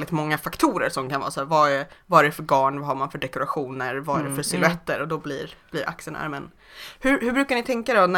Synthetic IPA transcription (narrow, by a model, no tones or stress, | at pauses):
ld̪ɪt̪mɔŋːafakt̪ʰuːɾə̰ɾʂɔmkʰanvɑ̰ːsæːɾvaɛvaɛɾɛɛfœɾɡɑːɳvahaɾmanfœɖɛkʊɾaɧuːnəɾvaæɖɛfœsɪlɛt̪ːəɾɔd̪ɔbliɾb̥liɾʔa̰ksəna̰ɾmɛn | hɵɾhɵbɾʉkaɳɪt̪ʰɛŋkad̪ɛnæ